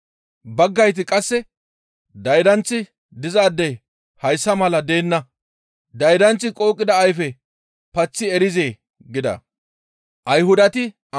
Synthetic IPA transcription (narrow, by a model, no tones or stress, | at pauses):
bɐɡːɐjt̪̬ɪkʼɐsːɛ | d̪ɐjd̪ɐnt͡sːɪ | d̪ɪzaːd̪ːɐj | hɐjsːɐmɐlɐd̪e̞ːnːɐ | d̪ɐjd̪ɐnt͡sːɪkʼo̞ːkʼːɪd̪ɐːjfɛ | pɐt͡sːɪɛɾɪze̞ː | ɡɪd̪ɐ̰ | ʔɐjhʊd̪ɐt̪ɪ